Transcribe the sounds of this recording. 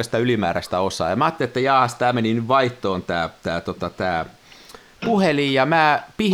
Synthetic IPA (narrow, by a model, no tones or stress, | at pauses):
ɑst̪æylimæ̰ːɾæst̪æosɑ̰ːjɑmæɑːt̪ːeliet̪ːæjɑːhɑst̪æːmeninyʋʋɑiht̪oːnt̪æːt̪æːt̪ot̪ɑt̪æː | puhelijjɑmæːpih